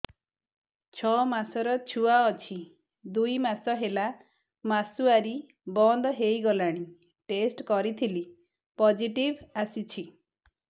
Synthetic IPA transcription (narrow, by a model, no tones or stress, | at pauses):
t͡ʃʰɔmasɔɾɔt͡ʃʰuaɔt͡ʃʰi | d̪ujmasɔɦela | masuaɾi | bɔnd̪ɔɦejɡɔlaɽ̃i | ʈesʈkɔɾit̪ʰili | pɔd͡ʒiʈibasit͡ʃʰi